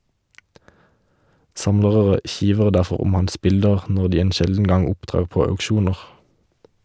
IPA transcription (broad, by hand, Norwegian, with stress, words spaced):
ˈsɑmləʁəʁə ˈçiːʋəʁ ˈdæʁfɔʁ ˈʊm ˈhɑns ˈbɪldəʁ ˈnɔʁ ˈdiː ˈeːn ˈʃɛldn̩ ˈɡɑŋ ˈʊpˌtʁeːʁ ˈpoː ɑʉkˈʃuːnəʁ